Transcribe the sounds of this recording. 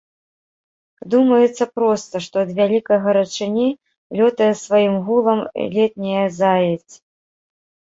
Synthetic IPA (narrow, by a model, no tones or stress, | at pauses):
d̪umɐjɛt̪sːɐpɾɔst̪ɐʂt̪ɔɐd̪vʲalʲikɐjɣɐɾɐt͡ʂɨnʲi | lʲɔt̪ɐjɐsvajimɣulˠɐmlʲɛt̪̚ʲnʲɛjɐzajɛt͡sʲ